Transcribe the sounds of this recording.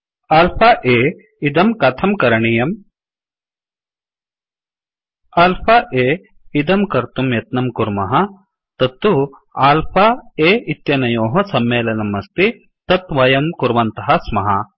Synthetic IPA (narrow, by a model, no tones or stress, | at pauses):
ɐlpʰɐʔeː | id̪ɐmkɐt̪ʰɐmkɐɾɐɳijɐm | ɐlpʰɐʔeː | id̪ɐmkɐɾt̪umjɐt̪nɐmkuɾmɐɦɐ̆ | t̪ɐt̪ːu | aːlpʰaeːit̪jɐnɐjoːɦɐsɐmːeːlɐnɐmɐst̪i | t̪ɐt̪ʋɐjɐmkuɾʋɐnt̪ɐɦɐsmɐɦɐ̰